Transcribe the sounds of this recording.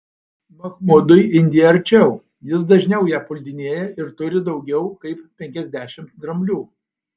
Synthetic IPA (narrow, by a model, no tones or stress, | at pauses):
mɐxmʊd̪ʊjɪnʲd̪ʲijɛɐɾʲt͡ʃʲɛʊ | jɪs̬d̪ɐʒʲnʲɛʊjæːpʊlʲd̪ʲɪnʲeːjɛɪɾt̪ʊɾʲɪd̪ɒʊɡʲɛʊkɐɪppʲɛŋʲkʲɛzʲd̪ʲæːʃʲɪmt̪d̪ɾɐmʲlʲuː